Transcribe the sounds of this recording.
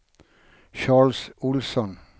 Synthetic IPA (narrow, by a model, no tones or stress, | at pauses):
ʃɑːɭsʊlsɔn